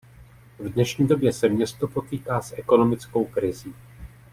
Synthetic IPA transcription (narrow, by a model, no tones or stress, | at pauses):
vdnɛʃɲiːdo̞bjɛsɛmɲɛst̪o̞po̞t̪iːkaːsʔɛko̞no̞mɪt͡sko̞wkɾɪziː